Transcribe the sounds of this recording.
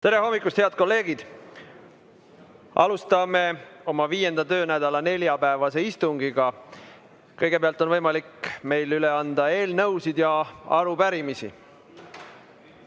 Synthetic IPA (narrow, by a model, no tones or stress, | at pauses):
t̪e̞ɾe̞ɦo̞mːikːˑust̪heɑd̪̥̚ko̞lːe̞ːɡ̥id̪̥ | ʔɑ̰lust̪ɑme̞o̞mɑviːje̞nd̪̥ɑt̪ø̞ːnæd̪̥ɑlɑne̞ljɑpæevɑse̞ist̪uŋɡ̥iɡ̥ɑ | kɤjɡ̥e̞peɑlt̪o̞nvɤjmɑlikːme̞jlyle̞ɑnd̪ɑe̞ːlnɤwsid̪̥jɑɑ̰ɾupæɾimisḭ